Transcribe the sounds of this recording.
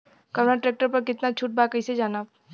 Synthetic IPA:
kɐɾnaʈɾeːk̚ʈəɾpɐɾkɪt̪nat͡ʃʰuːʈ̚baːkəɪsed͡ʒaːnaː

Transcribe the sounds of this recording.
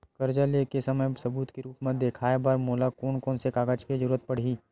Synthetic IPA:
kɐɾd͡ʒaleːkesɐməjsɐbuːt̪keɾuːpmẽd̪eːkʰaːebaːɾmoːlakoːnkoːnsekaːɡəd͡ʒkezəɾuːɾət̪̚pɐɽ̤iː

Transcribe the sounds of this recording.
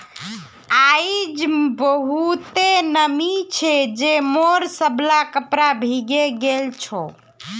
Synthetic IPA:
aid͡ʒbəɦut̪enəmit͡ʃʰɛd͡ʒemoɾsəblakəpɾabʱiɡeɡelt͡ʃʰo

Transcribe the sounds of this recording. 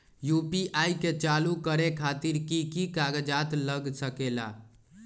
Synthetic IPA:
jupiʔajket͡ʃalukəɾekʰat̪iɾkikikaɡəd͡ʒat̪ləɡsəkela̰

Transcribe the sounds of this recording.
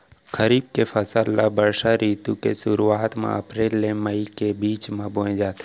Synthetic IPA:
kəɾiːb̚kefʰəsəlːabəɾʃaɾiːt̪ũkḛʃʊɾuaːt̪mḛ̃ɐ̰pɾeːlːẽməikebiːt͡ʃmẽbõẽd͡ʒaːt̪ʰː

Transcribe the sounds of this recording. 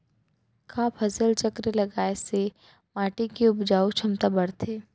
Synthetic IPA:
kʰaːpʰɐsəlt͡ʃɐkɾelɐɡaːese | maːʈikiʊbd͡ʒaːut͡ʃʰɐmt̪abɐɽt̪eː

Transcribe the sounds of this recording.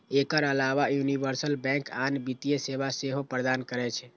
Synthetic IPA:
ekəɾəlaʋajunibəɾsəlbɛ̃kanbit̪ijesebaseɦopɾəd̪ankəɾɛt͡ʃʰɛ

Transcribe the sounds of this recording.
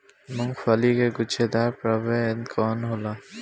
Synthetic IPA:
mʊŋfalikeɡut͡ʃʰed̪aɾpɾabenkʰɔːnɦola

